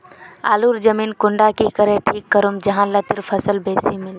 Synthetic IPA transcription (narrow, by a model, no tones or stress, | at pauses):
a̰ːluɾd͡ʒəmiːnkʊɳɖakikəɾeʈʰiːkːəɾumd͡ʒəɦãlət̪ɪɾpʰəsəlbeːsimɪl